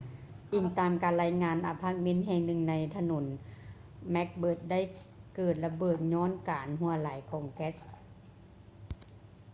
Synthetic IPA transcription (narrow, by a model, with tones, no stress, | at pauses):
ʔi˨˩ŋt̪aː˨mkaː˨nla˧˥jŋaː˧nʔa˨˩pʰaː˧˥˩k̚me˧˥˨nɦɛː˧˨ŋnɯ˧˩ŋna˧jt̪ʰa˧no˨˩˦n | mɛ˦˥k̚bɤː˧˩t̪̚da˥˩j | kɤː˨˩t̪̚la˧bɤː˨˩t̪̚ɲɔː˧˥˨nkaː˨nɦu˧ɐlaː˨˦jkʰɔː˨˦ŋkɛ˦˥s